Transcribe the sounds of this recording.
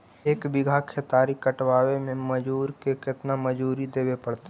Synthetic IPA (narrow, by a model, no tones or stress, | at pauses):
eːkbɪɡʱakʰet̪aːɾikɐʈʋaːwemẽməd͡ʒuːɾkekɪt̪naməd͡ʒuːɾid̪eːwepɐɽt̪